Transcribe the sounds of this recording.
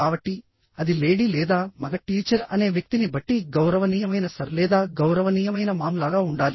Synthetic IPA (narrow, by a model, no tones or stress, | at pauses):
aːbɐʈːi | ɐd̪ile̞ːɽilɛːd̪aːmɐɡɐʈiːt͡ʃɐɾɐne̞ːʋjɐk̚t̪inibɐʈːiɡɐwɾɐʋɐnijɐmɐjnɐsɐɾlɛːd̪aːɡɐwɾɐʋɐniːjɐmɐjnɐmaːmlaːɡaːuɳɖaːli